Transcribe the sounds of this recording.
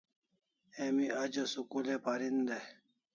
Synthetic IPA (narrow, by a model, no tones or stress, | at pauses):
emiad͡ʑɐsukulepaɾind̪e